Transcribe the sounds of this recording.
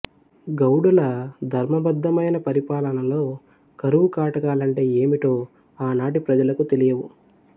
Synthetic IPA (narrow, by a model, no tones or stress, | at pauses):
ɡɐwɽulɐd̪ʱɐɾmɐbɐd̪ːɐmɐjnɐpɐɾipaːlɐnɐlo̞ː | kɐɾuʋukaːʈɐkaːlɐɳʈe̞ːeːmiʈo̞ː | aːnaːʈ̬ipɾɐd͡ʒɐlɐkut̪elijɐʋu